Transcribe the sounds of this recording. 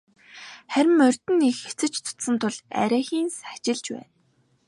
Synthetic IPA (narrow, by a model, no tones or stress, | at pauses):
χæɾʲɪ̆mɵrʲt̪ɘ̆nːexet͡sɘ̆t͡ɕt͡s̪ʰʊ̥t̪sə̆nt̪ʰʊɮæ̰ɾʲæːxiːnsḁt͡ɕɪ̆ɮt͡ɕpæ̰ːn